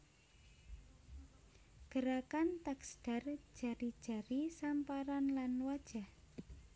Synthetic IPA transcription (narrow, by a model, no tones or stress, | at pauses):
ɡ̥əɾakant̪aksd̥a̤r̥d͡ʒ̥a̤ɾid̥ʒ̥a̤ɾisampaɾanlanwad̥ʒ̥a̤h